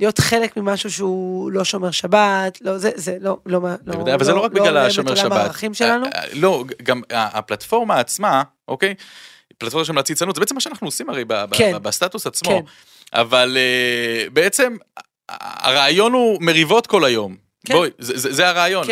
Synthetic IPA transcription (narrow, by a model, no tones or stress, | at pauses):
lijo̞tχe̞lekmimaʃuʃeulo̞ʃomeʁʃabat̪lo̞zezelolomalevadajavalzelo̞ʁakbiɡlalaʃomeʃamabatʁaχimʃelanulo̞ɡamaaplat̪fo̞ʁmaːt͡sma | ʔoke̞j | plat̪fo̞maʃ̬emlat͡sit͡sanutzeeemaʃeanaχnuosimaʁejbabebast̪at̪usat͡smkmo | ʔa̰valebeet͡se̞m | a̰ʁaːjo̞numeʁivo̞t̪ko̞lajo̞m | ojzezezeaʁeːjon